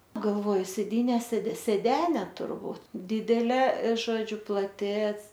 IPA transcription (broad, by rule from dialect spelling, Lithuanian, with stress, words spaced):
ˈnʊ ɡɐlˠˈʋoːjʊ sʲeːˈdʲiːnʲɛ sʲeːt sʲeːˈdʲæːnʲɛ tʊrˈbuːt ˈdʲɪdʲɛlʲeː ˈʒoːd͡ʒʲʊ plˠɐˈtʲɪ